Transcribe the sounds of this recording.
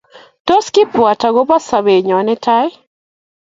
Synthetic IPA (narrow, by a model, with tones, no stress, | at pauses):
to˦skɪ˦pwa˨ta˨ɣo˦ba˦sa˨βe˨ɲɔ˨nɪ˦tʰa˦ɪ˦